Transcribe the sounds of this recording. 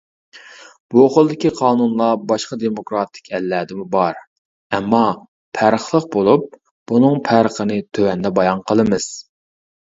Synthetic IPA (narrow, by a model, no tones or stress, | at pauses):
b̥uoχʊlˠd̪ɪkʲiqʰɑːnunlˠɑbɑʃqɑd̪emokɾɑt̪ʰɪ̥kʲʰɛlːɛd̪ɪmubɑɾ | ɛmːɑ | pʰæɾəχlˠəq̚bolˠup̚ | b̥unɨŋpʰæɾəχənɨt̪ʰøwɛnd̪ɛbɑjɑnqʰəlˠɨmɨz̥